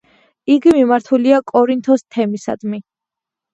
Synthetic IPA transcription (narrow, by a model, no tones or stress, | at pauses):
iɡimimaɾt̪ʰuliakʼɔɾint̪ʰɔst̪ʰɛmisa̰d̪mi